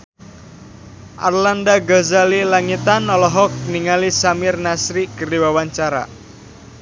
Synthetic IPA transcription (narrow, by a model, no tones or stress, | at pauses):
ʔa̰rlandaɡazalilaŋit̪anɔlɔɦɔk̚niŋalisamɪrnasɾikəriwawaɲt͡ʃaɾa̰